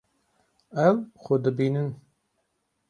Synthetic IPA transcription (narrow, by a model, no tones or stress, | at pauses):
ɛwxod̪ɨbiːnɨn